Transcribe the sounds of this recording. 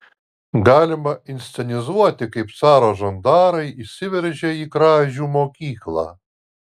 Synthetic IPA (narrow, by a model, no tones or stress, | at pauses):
ɡɑːlʲɪmɐɪnʲsʲɛnʲɪzuɔt̪ʲɪkɐɪpsɑːɾoːʒɐnd̪ɑːɾɐɪisʲɪʋʲɛɾʲʒʲɛiːkɾɑːʒʲuːmoːkʲiːklˠɑ̰ː